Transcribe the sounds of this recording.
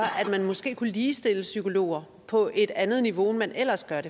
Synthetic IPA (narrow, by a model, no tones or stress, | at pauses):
ɐʔæd̥mænmɒ̽sɡ̥e̝̰ːkuliːsd̥e̝ləsykʰo̝lo̝̰ːɐ | pʰɒ̽ʔe̝d̥ænð̞̩ˠniʋo̝mænʔel̰ɐsɡ̥ɶɐɾe